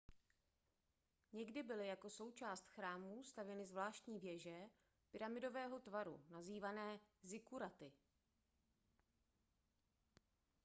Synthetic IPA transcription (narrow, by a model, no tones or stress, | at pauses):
ɲɛɡdɪbɪlɪjako̞so̞wt͡ʃaːst̪xɾaːmust̪avjɛnɪzvlaːʃt̪ɲiːvjɛʒɛ | pɪɾamɪdo̞vɛːɦo̞t̪vaɾṵnaziːvanɛːzɪkuɾat̪ɪ